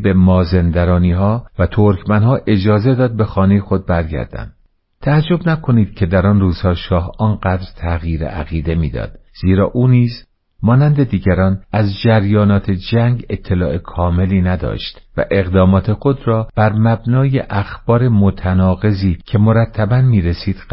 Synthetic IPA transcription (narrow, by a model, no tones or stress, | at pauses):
bemɒːzend̪æɾɒːniːɦɒːvæt̪ʰoɾkʰmænɦɒːʔe̞d͡ʒɒːze̞d̪ɒːd̪̚be̞xɒːne̞jexo̞d̪̚bæɾɟæ̰ɾd̪æ̰nd̪ | t̪ʰæːd͡ʒːo̞bnækʰo̞niːd̪̥cʰe̞d̪æɾɒːnruːz̥hɒːʃɒːhɒːnɢæd̪ɾt̪ʰæɣjiːɾḛæɣiːd̪e̞miːd̪ɒ̰ːd̪̥z̥iːɾɒ̰ːʔuːniːz | mɒːnænd̪e̞d̪iːɟæɾɒːnæzd͡ʒæɾjɒːnɒːt̪ʰe̞d͡ʒæŋɡe̞t̪ʰːe̞lɒːʔekʰɒːme̞liːnæd̪ɒ̰ːʃt̪væ̰ʔe̞ɣd̪ɒːmɒːt̪ʰe̞xo̞d̪ɾɒːb̥æɾmæbnɒːjeʔæxb̥ɒːɾe̞mot̪ʰænɒːɣe̞ziːcʰe̞moɾæt̪ʰːæbænmiːɾesiːd̪̥